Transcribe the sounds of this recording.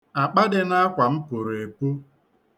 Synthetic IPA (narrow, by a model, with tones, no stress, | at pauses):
a˨k͡pa˦dɪ˦na˦kʷa˨m̩˦pʊ˨ɾe˨pu˦